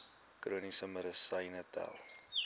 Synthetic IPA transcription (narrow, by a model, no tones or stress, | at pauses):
kruənisəmədəsɐjnətɛ̰lˠ